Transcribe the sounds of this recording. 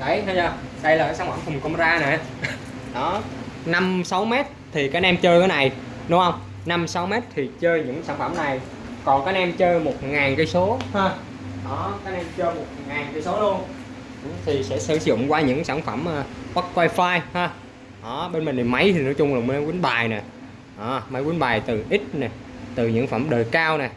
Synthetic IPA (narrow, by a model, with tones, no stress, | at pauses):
ɗə˨˦˩jt̪ʰa˧zaː˧˩ɗə˧jlaː˨˩ka˨˩saː˧˥˩ŋfə˧˩mkʊ˨˩ŋ͡mko˧ŋ͡mmzaː˧na˨˩˨ | ɗɔ˨˦na˧msa˨˦wmɛ˦˥t̚t̪ʰi˨˩kaː˨˦˥ʔɛ˧mt͡ɕəː˧jkaː˨˦jna˨˩j | ɗʊ˨˦hə˧wŋ͡m | na˧msa˨˦wmɛ˦˥t̚t̪ʰi˨˩t͡ɕəː˧jɲɨ̰˧˥ŋsaː˧˩nfə˧˩mna˨˩j | kɔ˨˩nkaː˨˦˥k̚ʔɛ˧mt͡ɕəː˧jmo˨˩t̚ŋaː˨˩nkə˧˦jso˨˦haː˧ | ɗɔ˨˦kaː˦˥k̚ʔɛ˧mt͡ɕəː˧jmo˨˩t̚ŋaː˨˩nkaː˨˧˦jso˨˦lu˧ən˧˩ | t̪ʰi˨˩sɛ̰˧˥sɨ̰˧˩zʊ̰˧˨ŋ͡mkwaː˧ɲɨ̰˧˥ŋsaː˧˩nfə˧˩mʔːkwa˦˥t̚kwaː˧jfaː˧jhaː˧ | ʔɔ˨˩˦ɓe˧nmï˨˩ŋ̟t̪i˨˩ma˨˦jt̪ʰi˨˩no̰˧˥t͡ɕʊ˧ŋ͡mlo˨˩m˨lkwi˨˦ənɓaː˨˩jnɛ˨˩ | ʔɔ˨˩ma˨˦jkwi˨˦nɓaː˨˩jt̪ɨ˨˩ʔi˦˥t̟̚nɛ˨˩ | t̪ɨ˨˩ɲɨ̰˧˥ŋfə˧˩mɗəː˨˩jkaː˧wnaː˨˩